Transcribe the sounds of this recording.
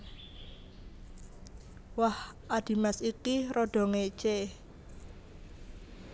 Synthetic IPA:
wahʔad̪̥i̤masikiɾɔɖ̥ɔ̤ŋet͡ʃe

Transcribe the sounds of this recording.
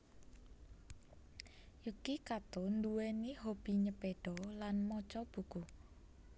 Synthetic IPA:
jukikat̪ond̪uwɛniɦob̥i̤ɲəpeɖ̥ɔlanmɔt͡ʃɔb̥ṳku

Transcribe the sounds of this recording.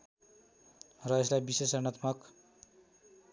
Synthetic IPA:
rʌeslajbisesʌnʌt̪mʌk

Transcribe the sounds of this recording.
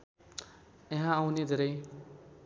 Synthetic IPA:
eɦãːwned̪ʱeɾʌj

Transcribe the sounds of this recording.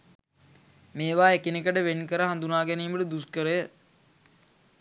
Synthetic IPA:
meːʋaːekinekəʈəʋenkəɾəɦand̪unaːɡæniːməʈəd̪uskəɾəjə

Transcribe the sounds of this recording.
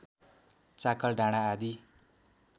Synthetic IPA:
t͡sakʌlɖaɽ̃aːd̪i

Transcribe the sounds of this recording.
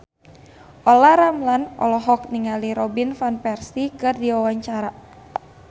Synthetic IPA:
ʔɔlaɾamlanɔ̰lɔɦɔk̚niŋaliɾɔbinfanpɛrsikɨrdiwawaɲt͡ʃaɾa

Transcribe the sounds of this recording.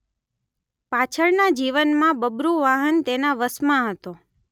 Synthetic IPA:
pat͡ʃʰəɭnad͡ʒiʋənmãbəbɾuʋaɦənt̪enaʋəsmãɦət̪o

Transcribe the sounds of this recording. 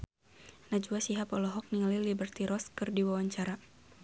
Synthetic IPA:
nad͡ʒuasiɦapɔlɔɦɔk̚niŋalilibərt̪iɾɔskɨrdiwawaɲt͡ʃaɾa

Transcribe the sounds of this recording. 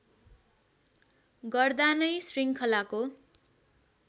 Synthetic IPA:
ɡʌrd̪anʌjsriŋkʰʌlako

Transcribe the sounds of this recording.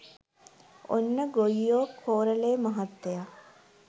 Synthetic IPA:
o̰nːɐɡoijoːkʰoːɾɐleːmɐɦɐt̪ːja

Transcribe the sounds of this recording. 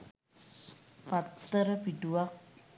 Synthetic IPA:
pat̪ərbiduak̚

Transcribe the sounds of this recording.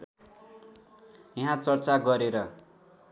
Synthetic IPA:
jiɦãt͡sʌrt͡saɡʌɾeɾʌ

